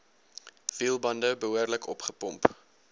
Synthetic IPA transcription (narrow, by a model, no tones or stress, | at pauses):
v̥iːlˠbɐndəbəɦuərləkʰɔpχəpɔmp